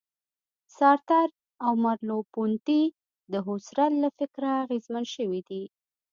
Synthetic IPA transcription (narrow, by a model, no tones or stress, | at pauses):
sɑɾt̪aɾ | awmaɾlopunt̪i | d̪əɦʊsɾallafɪkɾaːɣezmanʃəwid̪i